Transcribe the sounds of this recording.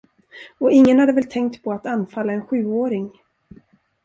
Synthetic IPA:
ɔɪŋːənhad̪əvɛlt̪ʰɛŋk̚t̪pʰɔat̪anfalːaɛnɧʉ̟ːoːɾɪŋ

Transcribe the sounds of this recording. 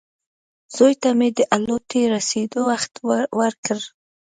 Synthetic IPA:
z̥ojt̪amed̪əʔalot̪eɾased̪owaxt̪wəɾkəɾ

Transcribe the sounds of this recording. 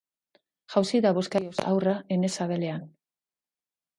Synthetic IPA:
ʝawsiðaβo̞skajo̞sa̰wrae̞ne̞saβe̞le̞an

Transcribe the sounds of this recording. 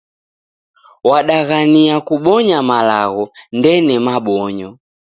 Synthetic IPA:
waɗaɣaniakuɓɔɲamalaɣɔndɛnɛmaɓɔɲɔ

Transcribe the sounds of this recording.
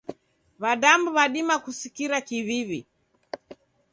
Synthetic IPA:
βaɗambuβaɗimakusikiɾakiβiβḭ

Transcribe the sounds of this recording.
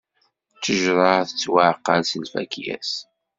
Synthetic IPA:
t͡sːəʒɾˤɑθət͡sːwaʕqːɑnsəlfæ̰kjæ̰s

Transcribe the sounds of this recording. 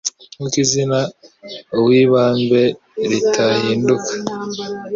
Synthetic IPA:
ŋukizina | uwiːβaːmbe | ɾitʰahiːndukḁ

